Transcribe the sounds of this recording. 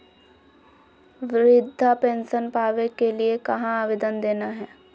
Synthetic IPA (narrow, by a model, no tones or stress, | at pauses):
ʋɪɾɪd̪ʱːapẽːnʃənpaːʋekeliekɐɦãaːʋɪd̪ənd̪eːnaɦɛː